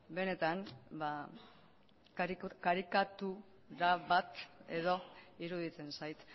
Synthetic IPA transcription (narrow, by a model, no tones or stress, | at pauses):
be̞ne̞t̪anba | kkaɾikat̪u | ɾaβat̪e̞ð̞o̞iɾuðit͡se̞nsajt̪